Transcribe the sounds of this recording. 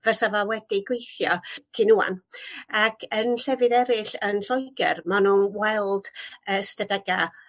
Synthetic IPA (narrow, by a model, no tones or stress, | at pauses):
v̥əsavawɛdiɡwejθjɔkʰɨnua̰nakʰənɬɛvɨðɛɾɪɬənɬɔjɡɛ̰rmanunwɛlˠd̥əstədɛɡa